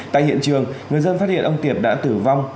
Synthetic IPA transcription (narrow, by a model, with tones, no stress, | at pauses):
t̪a̰ː˧˨jhḭ˧˨ənt͡ɕɨ˨˩əŋŋɨ˨˩əjzə˧nfa˦˥t̚hḭ˧˨nʔə˧wŋ͡mt̪i˨˩əp̚ɗa̰ː˧˥t̪ɨ˧˩va˧wŋ͡m